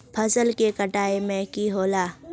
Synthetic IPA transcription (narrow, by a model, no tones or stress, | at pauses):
pʰɐzəlkekɐʈaːemẽkiɦoːlaː